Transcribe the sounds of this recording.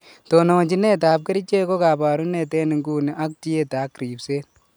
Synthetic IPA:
to˨no˨ɲt͡ʃi˦ne˦t̬aː˨p̚ke˦ɾi˦t͡ʃe˦ko˦ka˨pa˨ɾu˦ne˨tɛ˦ni˨ŋɡuː˨ni˨ʔa˦k̚ti˦je˦taː˨˦kɾi˨pseː˦t̚

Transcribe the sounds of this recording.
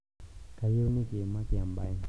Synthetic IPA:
ka˨jo˦ni˦ke˨ma˦ki˨a˨mba˨i˦

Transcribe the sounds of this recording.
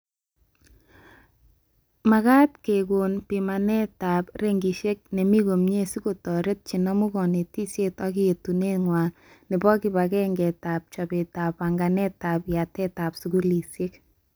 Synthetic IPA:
ma˨ka˦t̚ke˨ko˨npi˨ma˨nɛ˦ta˨pɾe˦ŋɡi˨ʃe˦k̚ne˨mi˦ko˨mɲe˦su˦ko˨tɔ˨ɾe˦t̚t͡ʃi˨nɔ˦mu˦kɔ˨ne˨ti˦sje˦tɔ˦ki˦e˨tu˨ne˦ŋwa˨ | nɪ˨bɔ˦kɪ˨ba˨kɛ˦ŋɡɛ˨ta˨p̚t͡ʃa˨be˨ta˨pa˨ŋɡa˨nɛ˦ta˨pja˨tɛ˦ta˨psu˨ɡu˦li˨sje˦k

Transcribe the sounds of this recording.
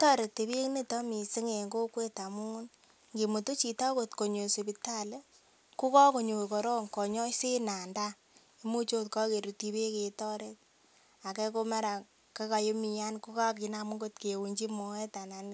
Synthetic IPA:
tɔ˦ɾe˨tːi˨bi˦kne˦tɔ˦mi˨si˦ŋe˨ŋɡo˦kwe˦ta˨mu˦n | ŋɡi˨mu˨to˦t͡ʃi˨ta˦ko˨tko˨ɲo˨se˨pi˨ta˦le˦ | ku˦kɔ˦ko˨ɲo˨ke˨kɔ˨ɾɔ˦ŋkɔ˨ɲɔ˦se˦na˨nda˦ | e˦mu˦t͡ʃo˦tkɔ˦ke˨ɾu˨ti˦be˦ke˨tɔ˦ɾe˦t̚ | a˨kɛ˦ko˦mɛ˦ɾa˨ | ke˦ka˨jo˦mi˨ja˦nku˦ka˦k̬i˨na˨mu˦ŋɡo˦tke˨wu˨ɲd͡ʒi˦mɔ˨ɛ˦ta˨na˨n˦

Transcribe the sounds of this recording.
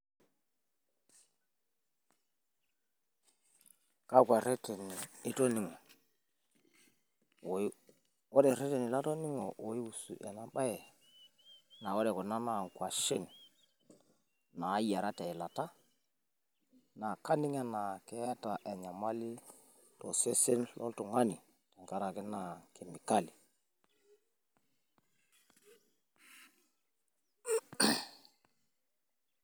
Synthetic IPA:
ka˦kʷa˨ɾɛ˦tɛ˨nɪ˨ɪ˦tɔ˦nɪ˨ŋɔ˨ | ɔ˦dɛ˨ɾɛ˦tɛ˨nɪ˨la˦tɔ˦nɪ˦ŋɔ̰˨o˨i˦u˨sṵ˨ʔɛ˨na˦ɓa˦ɛ˨ | na˨wɔ˦ɾɛ˨kɔ˨na˦na˨ŋ˨kwa˨ʃe˦˨n | na˨˦ja˨ɾa˦ta˨ɛ˨la˨ta˦ | na˨ka˦ni˦ŋa˦na˨kɛ˦ja˦ta˨ʔe˨ɲa˨ma˦li˦ | to˨se˦se˦nlʔɔ̰˦ltɔ˨ŋa˦ni˨ | tɛ˨ŋka˦ɾa˨ki˦na˨ke˨mi˨ka˦li˨

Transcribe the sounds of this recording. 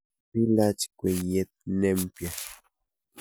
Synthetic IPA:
pi˦lat͡ʃi̥kʷe˨ɲje˦t̪̚ne˦mpja

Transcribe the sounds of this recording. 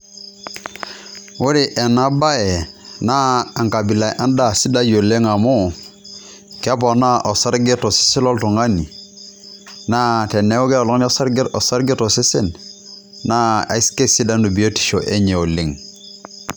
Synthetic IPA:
wu˦ɾi˨ʔe˨na˦ba˦ɛ˨na˦a˨ŋka˨bi˨la˨ʔa˦nda˦˨si˦da˦jo˨le˦ŋa˨mu˦ | ka˦po˨na˦ʔo˨sa˦ɾɡe˦to˨si̥˦si˦lo˦ltu˨ŋa˦ni˨ | na˦˨tɛ˨ne˦o˦ke˦o˨lɔ˦ŋ˦n˦ɔ˦sa˦ɾɡo˨sa˦ɾɡe˦to˨si˦si˦n | na˦a̰˨i˦ske˦si˦da˦nu˨bi˨o˦ti̥˨ʃo˨ʔe˦ɲe˨o˨li˨ŋ

